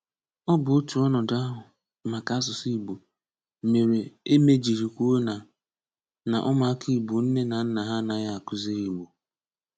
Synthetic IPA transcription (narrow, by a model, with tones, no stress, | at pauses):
ɔ˦bʊ˨o˦tu˨ɔ˦nɔ˨da˦ɦʊ˨ | ma˨ka˨˦a˦s̬ʊ˨si˦˨bu˨ | me˨ɾe˨e˦me˦d͡ʒi˨ɾi˨kʷu˦o˦na˨ | na̰˨ʔɔ˦ma˨a˦ki˦˨bu˨n̩˦ne˦na˨n̩˦na˨ɦa˦na˨˦ja˦a˨kʊ˦ze˦ɾi˨ɡ͡bu˨